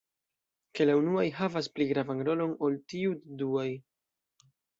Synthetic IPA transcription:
ke̞launuajɦavaspliɡɾavanɾo̞lo̞no̞ltiuduaj

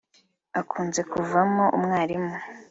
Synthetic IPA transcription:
akʰuːnze̞kuvamoʔumŋaːɾimu

